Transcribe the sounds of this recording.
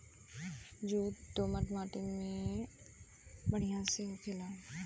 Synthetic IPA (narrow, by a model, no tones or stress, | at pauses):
d͡ʒuːd̪oːməʈmaːʈɪmẽ | bəɽ̤ijãseʊkʰɪlaː